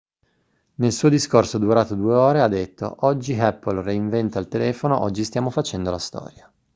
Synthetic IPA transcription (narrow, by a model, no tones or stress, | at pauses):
nelsuːod̪iskorsod̪uɾaːt̪od̪ueoːɾead̪ːet̪ʰːo̰ʔɔd͡ʒːiɛpːolreiɱvɛnt̪alt̪elɛːfonoʔɔd͡ʒːist̪jaːmofat͡ʃɛnd̪olast̪ɔ̰ːɾja